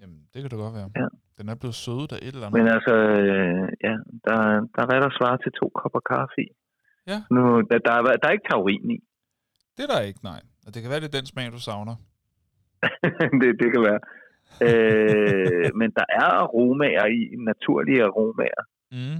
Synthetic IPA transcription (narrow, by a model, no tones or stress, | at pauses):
jæmd̥e̝kʰæd̥uɡ̥ɒd̥ʋæːɐjæd̥enæɐb̥le̝ð̩ˠsøðˠd̥æʔed̥lænmenælsɐøjæd̥ɑ̈d̥ɑ̈ʋæɾ̥ɑsʋɑ̈ːt͡sʰe̝t͡sʰo̝̰ːkʰɒb̥ɐkʰɑ̈ːfi | nudd̥ɑ̈ʋæd̥ɑ̈ɐe̝ɡ̥ət͡sʰeʊʁḭːn̩i | d̥eɐdɑeɡ̥ənɑ̈ɪ̰ | d̥e̝kʰæʋæːɐd̥ed̥ensmɛ̰ːnd̥usɑ̈ʊnɐ | d̥e̝d̥e̝kʰæʋæːɐ | ø | mend̥ɑ̈ʔæɐʁoːmɛɐinæt͡sʰuɐ̰liəʁo̝ːmɛ̰ɐ